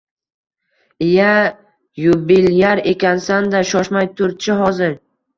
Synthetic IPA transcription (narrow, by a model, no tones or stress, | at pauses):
ɪja | jʊbɪljaɾe̞kʲansand̪aʃɒʃmajt̪ʰʊɾ̚t͡ʃʰɪɦɒzɪɾ